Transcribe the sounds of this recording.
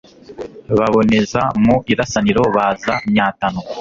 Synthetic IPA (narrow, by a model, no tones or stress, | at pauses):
βaβo̞ne̞zamuiɾasaniɾo̞βaːzamɲaːtanu